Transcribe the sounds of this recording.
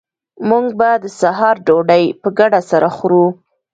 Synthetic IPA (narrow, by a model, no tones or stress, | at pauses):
muŋɡ̚bad̪əsaɦɑɾɖoɖajpəɡaɖasaɾʔaxɾu